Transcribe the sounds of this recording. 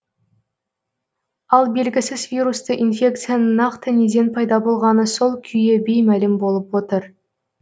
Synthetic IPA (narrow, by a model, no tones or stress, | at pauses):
ɑlˠbe̞lɡʲɪsɪzvʲiɾust̪əʔinfʲe̞k̚t̪sɨjanənɑqt̪əne̞d̪e̞npʰɑjd̪ɑbo̞lˠʁɑnəso̞lˠkʲʰʏjebe̞jmælɪmbo̞lˠəpwo̞t̪əɾ